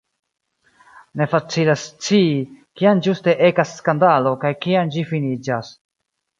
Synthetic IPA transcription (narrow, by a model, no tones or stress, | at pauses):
ne̞fat͡silast͡siːkiand͡ʒuste̞ʔe̞kasːkandalo̞kajkiand͡ʒifinid͡ʒas